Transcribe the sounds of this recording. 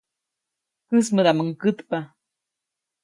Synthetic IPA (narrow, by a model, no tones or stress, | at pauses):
kɨsməd̪aməŋkɨt̪pa